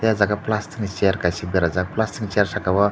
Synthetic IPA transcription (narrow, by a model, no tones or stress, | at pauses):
t̪jad͡zaɡaplast̪iŋt͡ɕejɾkaɕid̪əɾad͡zaɡaplast̪iŋt͡ɕeɾɕakaʋə